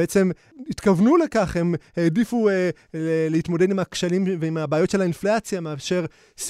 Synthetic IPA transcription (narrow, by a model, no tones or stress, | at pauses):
et͡se̞m | it̪kavnule̞kaχhe̞mheːdifue | leleit̪mode̞dimakʃalimveimabaːjo̞t̪ʃe̞lainflat͡sjameaʃe̞ʁ | s